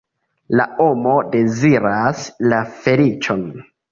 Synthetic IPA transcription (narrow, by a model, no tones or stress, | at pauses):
la̰ʔomo̞de̞ziɾaslafe̞lit͡ʃon